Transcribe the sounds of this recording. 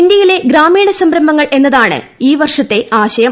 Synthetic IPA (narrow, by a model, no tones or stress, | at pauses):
ind̪jɐjile̞ɡɾaːmiːɳɐsɐmbɾɐmbɐŋːɐɭe̞nːɐðaːɳɨ̰ | iːʋɐrʂɐt̪ːe̞aːɕɐjɐ